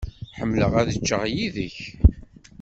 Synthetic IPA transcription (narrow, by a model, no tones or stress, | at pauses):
ħəmːləʁæðət͡ʃːəʁjiðəç